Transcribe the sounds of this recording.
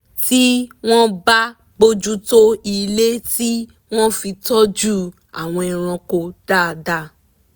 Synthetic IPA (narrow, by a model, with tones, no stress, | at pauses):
ti˦w̃ɔ̃˦ba˦ | ɡ͡bo˧d͡ʒu˦to˦i˧le˦ti˦ | w̃ɔ̃˦fi˧tɔ˦d͡ʒu˦˨ | a̰˨w̃ɔ̃˧i˧ɾ̃ã˧ko˧d̥a˦˨da˦˧